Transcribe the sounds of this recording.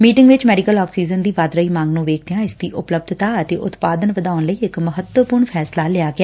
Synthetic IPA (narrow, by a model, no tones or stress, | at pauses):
miːʈɪ̃ŋɡʋɪt͡ʃmɛːɖɪkəlɔːksiːzənd̪iːʋaːd̪ɾəiːmãːŋɡnũːʋeːkʰd̪ejãːɪsd̪iːʔʊpləb̚d̪ʱt̪aːət̪eːʔʊt̪paːd̪ənʋəd̪aːʊnləiːɪkməɦət̪wəpʊɾɳpʰɛːslaːlɪaːɡɪaː